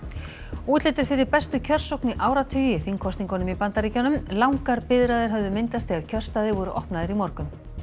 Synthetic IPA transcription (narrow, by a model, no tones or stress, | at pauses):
uːt̪lɪːt̪ɪɾ̥fɪɾɪɾpɛst̪ʏcʰœr̥sowkniʔaːwɾat̪ʰʏːjɪθiŋkʰɔst̪iŋkɔnʏmipant̪aɾiːcanʏmlawŋkaɾpɪðɾaðɪɾ̥ɦœvðʏmɪnt̪ast̪θiːɣaɾcʰœr̥st̪aːðɪvɔɾʏʔɔhpnaðɪɾimɔɾkʏm